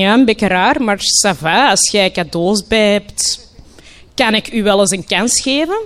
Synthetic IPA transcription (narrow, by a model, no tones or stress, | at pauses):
aːnbɪkəɾaːrmarsavaːsxɛkadoːzbɛjɦɛpt | kanɪkyʋɛlˠəzəŋkansxeːvən